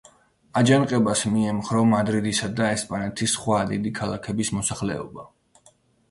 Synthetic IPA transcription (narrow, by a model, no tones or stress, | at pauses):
ad͡ʒanqʼɛbasmiɛmχɾɔmad̪ɾid̪isad̪aɛspʼanɛt̪ʰisχwad̪id̪ikʰalˠakʰɛbismɔsaχlɛ̰ɔ̰ba